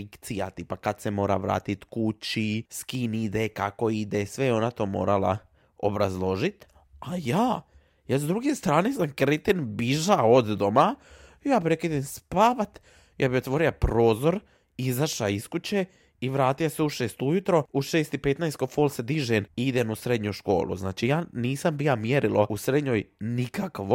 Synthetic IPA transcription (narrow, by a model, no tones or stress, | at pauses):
fikt̪sija̰t̪ipakad̪semo̞ːɾa̰ʋɾa̰ːt̪it̪kut͡ʃiskinid̪ekako̞id̪esʋejeo̞nat̪o̞ːmo̞̰ːɾala̰ | o̞̰bɾazlˠo̞ʒit̪ | ajaː | jazd̪ɾuɡe̞st̪ɾaːnesankɾet̪enbiʒaod̪ːoma | jaːpɾekid̪emspaːʋat̪ | jʔa̰ːbio̞t̪ʋo̞ɾilapɾo̞ːzo̞ɾ | izaʃaiskut͡ɕe | iʋɾaːt̪ijaseuʃeːst̪ujut̪ɾo̞uʃeːst̪ipet̪najskofolsed̪iʒeniid̪enusɾe̞d̪ɲuʃko̞̰ːlṵzna̰ːt͡ʃijaːniːsambijamjeɾilousɾed̪ɲojnikakʋo